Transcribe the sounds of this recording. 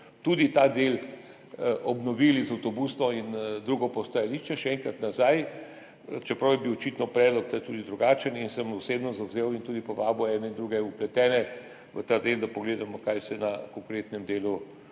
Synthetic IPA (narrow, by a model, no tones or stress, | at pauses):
t̪uːd̪it̪ad̪el | ɔbnɔʋiːlizɐwt̪ɔbusnɔind̪ɾuːɡɔpɔst̪ajaliːʃt͡ʃɛʃɛɛŋkɾat̪nazaj | t͡ʃɛpɾɐwjɛbiwɔt͡ʃit̪nɔpɾɛːd̪lɔk̚t̪aːjt̪uːd̪id̪ɾuɡaːt͡ʃəninsəmɔseːbnɔzawzeːwint̪uːd̪ipɔʋaːbɔɛːnɛind̪ɾuɡɛuplɛt̪ɛːnɛ | ʋət̪ad̪eld̪apɔɡleːd̪amɔkajsɛnakɔŋkɾeːt̪nɛmd̪eːlu